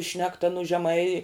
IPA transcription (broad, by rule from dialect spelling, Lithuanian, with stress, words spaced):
ˈʃʲnʲæːktɐ nʊ ʒʲɛˈmɐɪ